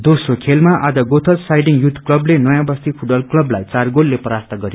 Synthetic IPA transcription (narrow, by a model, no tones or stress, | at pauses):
d̪osrokʰelmaʔad͡zʌɡot̪ʰʌsajɖiŋjut̪ʰklʌblenʌjãbʌst̪ipʰuʈbʌlklʌblajt͡sarɡolːepʌɾart̪ʰʌɡʌɾi